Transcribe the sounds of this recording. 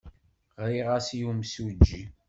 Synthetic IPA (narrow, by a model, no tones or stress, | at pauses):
ʁɾiʁasjumsud͡ʒːi